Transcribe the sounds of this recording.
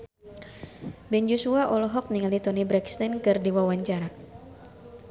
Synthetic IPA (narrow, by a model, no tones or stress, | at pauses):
bɛnd͡ʒosuaʔɔlɔɦɔk̚niŋalit̪ɔnibɾɛkst̪ankɨrdiwawaɲt͡ʃaɾa